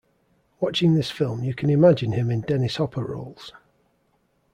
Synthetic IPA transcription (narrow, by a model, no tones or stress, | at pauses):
wɒt͡ʃɪ̃ŋðɪsfɪlˠmjəkʰə̃nɪmad͡ʒɪ̃nɪ̃mɪ̃ndɛnɪshɒpʰəɹo̰ʊlˠz̥